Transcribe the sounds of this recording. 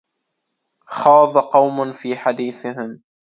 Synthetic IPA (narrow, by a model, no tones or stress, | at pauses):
xɑːðˤɑqɑwmʊnfiːħad̪iːθɪɦɪm